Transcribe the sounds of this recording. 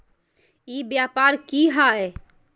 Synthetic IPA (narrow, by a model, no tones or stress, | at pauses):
ibjapaɾkiɦae